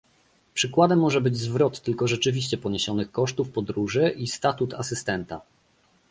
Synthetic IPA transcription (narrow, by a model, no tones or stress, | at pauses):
pʂɘkwad̪ɛmːɔʐɛbɘd͡ʑzvɾɔt̪ːɘlkɔʐɛt͡ʂɘvʲiɕt͡ɕɛpɔɲeɕɔnɘxkɔʂt̪ufpɔd̪ɾuʐɘʔist̪at̪ut̪ʰasɘst̪ɛnt̪a̰